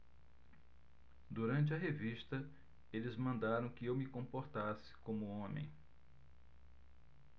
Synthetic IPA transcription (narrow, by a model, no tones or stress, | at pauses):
d̪uɾɐ̃nt͡ʃɪɐɦeviʃt̪ɐ | elɪzmɐ̃nd̪aɾɐ̃w̃kɪewmɪkõmpoɾt̪asɪ̥kõmʊõmḛ̃j̃